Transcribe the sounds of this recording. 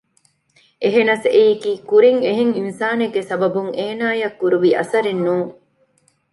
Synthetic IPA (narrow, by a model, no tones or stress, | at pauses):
ʔeɦenɐseikiːkuɾiŋeɦeŋinsaːneɡesɐbɐbuŋeːnaːjɐkːuɾuʋiʔɐ̰sɐɾenːuːŋ